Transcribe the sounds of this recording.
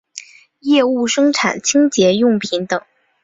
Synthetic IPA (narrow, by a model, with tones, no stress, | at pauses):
jɛ˥˧u˥˩ʂɤ˥ŋʈ͡ʂʰa˨˩nt͡ɕʰi˥ŋt͡ɕjɛ˧˥jʊ˥˩ŋpʰi˧˥nt̪ɤ˨˩˦ŋ